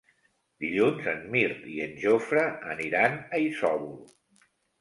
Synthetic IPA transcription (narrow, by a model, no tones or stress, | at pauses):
d̪iʎunzənmiɾt̪iənʲʒofɾəːniɾanəisɔβul